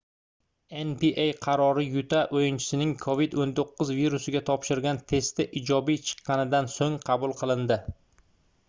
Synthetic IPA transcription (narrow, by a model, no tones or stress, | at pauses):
enpiʔejqʰɑɾɒɾɪjʊt̪ʰaʔojɪnt͡ʃʰɪ̥sɪnɪŋkʰovid̪ont̪ʰoqːʊzviɾusɪɡʲat̪ʰɒpʃɪɾɡʲant̪ʰe̞st̪ɪʔɪd͡ʒɒbijt͡ʃʰɨ̥qːɑnɪd̪ansoŋqʰɑbʊlˠqʰɨlˠɪnd̪ɪ